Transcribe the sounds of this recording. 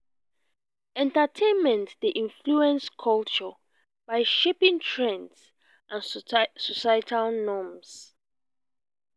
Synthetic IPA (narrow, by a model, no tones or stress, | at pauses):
ɛ̃ntatʰẽnmɛ̃ntdiʔĩnfluɛ̃nskʰɔlt͡ʃɔ | b̥aɪʃepĩŋtʰɹɛ̃nds | ʔãnsɔsajtʰalnɔms